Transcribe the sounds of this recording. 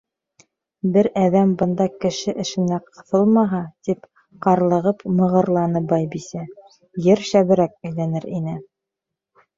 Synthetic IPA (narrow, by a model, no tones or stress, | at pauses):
bɘɾæðæmbɤ̆nd̪ɑkɘ̆ʃɘʔɘ̆ʃɘ̆næqɤ̆θɤlˠmɑɦɑt̪ip | qɑɾlˠɤ̆ʁɤpmɤ̆ʁɤ̆ɾlˠɑnɤbɑjbisæ | jɘɾʃæβɘ̆ɾæk̚æ̆jlænɘɾinɘ